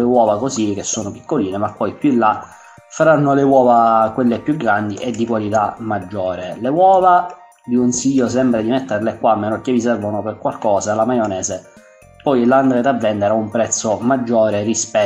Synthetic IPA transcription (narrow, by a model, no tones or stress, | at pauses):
lewɔːvakozik̟ːesːoːnopi̥kːoliːnemapːɔjpjulːa | faɾanːolewɔːvakwelːepjuɡɾand̪iʔed̪ːikwalit̪amːad͡ʒːɔːɾelewɔːva | vikonsiʎːos̬ɛmbɾad̪imɛt̪ːerlekwamːeːnokːevisɛrvonoperkwalkɔːzalamajonɛːze | pɔjland̪ɾed̪avːɛnd̪eɾaumpɾɛt̪sːomad͡ʒːɔːɾerispɛ